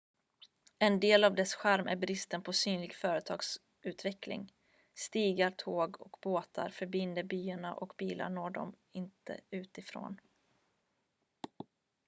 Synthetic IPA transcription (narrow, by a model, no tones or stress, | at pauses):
ɛnd̪eːlavd̪ɛsɧæɾmʔæ̰ɾbɾɪst̪ənpʰɔsyːnlɪɡfœːɾət̪ʰɑ̰ːɡs | ʔʉ̟ːt̪vɛklɪ̰ŋ | st̪iːɡaɾt̪ʰoːɡɔ̰kboːt̪ʰa̰ɾfœɾbɪnd̪əɾbyːaɳa̰ʔɔkbiːlʔa̰ɳoːɖɔ̰m | ɪnt̪ʰə̰ʉ̟ːt̪ɪfɾo̰ːn